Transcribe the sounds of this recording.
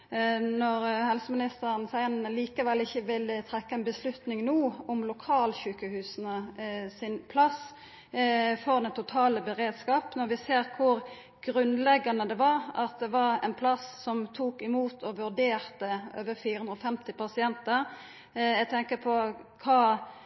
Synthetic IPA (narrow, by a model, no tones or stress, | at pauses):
nɔʁhɛlsəmɪnɪst̪əɾənsæɪnnəliːkəʋɛlːɪçːəʋɪlət̪ʰʁɛkːɑɛɪnbəslʉt̪nɪŋnuːʊmlʊkʰɑːlçʉːkəhʉːsnəsɪnpʰlɑs | fɔʁd̪ɛt̪ʰʊt̪ʰɑːləbəʁeːd̪skɑːpnɔɾʋɪseːʁkʰʊɾ | ɡ̥ʁʉnlɛɡːɑnəd̪ɛʋɑɾɑt̪̚d̪ɛʋɑʁɛ̰npʰlɑssɔmt̪ʰuːkɪmuːt̪ʰɔʋʉɾd̪eːʁt̪əʔøːʋəfiːɾəʉnd̪ɾɔfɛmt̪ɪpɑsɪɛnt̪əʁ | æɡt̪ʰɛŋkəpʰɔkʰɑː